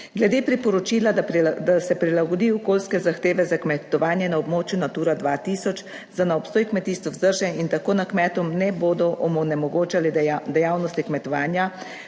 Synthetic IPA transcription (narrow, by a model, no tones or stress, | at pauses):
ɡlɛd̪eːpɾipɔɾɔt͡ʃiːlad̪asɛpɾilaɡɔd̪iːɔkoːlskɛzaxt̪eːʋɛzakmɛt̪ɔʋaːnjɛnaɔbmoːt͡ʃjunat̪uːɾad̪ʋat̪iːsɔt͡ʃ | zanaɔpst̪oːjkmɛt̪iːst̪ʋɔzd̪əɾʒɛint̪akoːnakmɛt̪ɔmnɛboːd̪ɔʔɔmɔnɛmɔɡoːt͡ʃalid̪ɛjawnɔst̪ikmɛt̪ɔʋaːnja